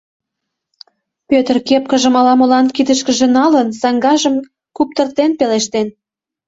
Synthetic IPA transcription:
pøt̪ərkep̚kə̆ʒə̆mɑlɑmolɑnkid̪əʃkə̆ʒĕnɑlənsɑŋɡɑʒə̆m | kup̚t̪ə̆rt̪enpeleʃt̪en

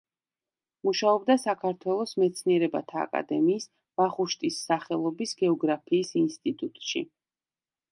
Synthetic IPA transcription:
muʃaɔbd̪asakʰaɾt̪ʰwɛlˠɔsmɛt̪sʰniɛɾɛba̰t̪ʰa̰ːkʼa̰d̪ɛmiːs | vaχuʃt̪ʼisːaχɛlˠɔbisɡɛɔɡɾapʰiːsinst̪ʼit̪ʼut̪ʼʃḭ

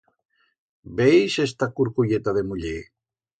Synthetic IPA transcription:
bejsest̪akuɾkuʎet̪aðemuʎe

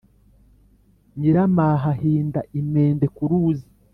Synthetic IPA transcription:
ɲiɾamaːɦaɦiːndaʔimeːnde̞kuɾuːzi

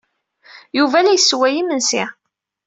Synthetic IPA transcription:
juvælæjsːwæjimənsi

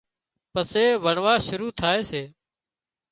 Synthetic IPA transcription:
pəseːʋəɳʋaːʃʊɾuːt̪ʰaːeːseː

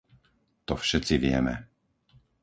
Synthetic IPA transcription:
t̪ɔfʃɛt͡siʋɪɛ̰mɛ

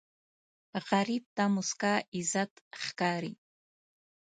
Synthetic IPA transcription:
qaɾip̚tamuskʼaːizatʼχkaːɾi

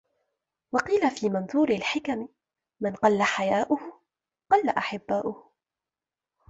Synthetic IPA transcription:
wɑqiːlafiːmanðuːɾɪlħɪkamɪ | manqɑlːaħajaːʔʊhʊ | qɑlːaʔaħɪbːaːʔʊh

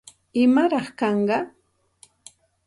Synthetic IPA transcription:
ɪmaɾɑχkɑɴɢɑ

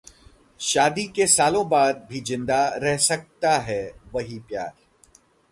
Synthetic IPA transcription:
ʃaːd̪ikesaːlõbaːd̪̚bʱizɪ̃nd̪aɾɛɦsɐk̚t̪aɦɛʋɐɦipjaːɾ

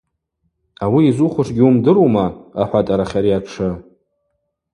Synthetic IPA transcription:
awiːzuχʷʊʂɡʲɪumdɨɾumaaħʷatʼaɾaχʲaɾiaʈ͡ʂʰɨ

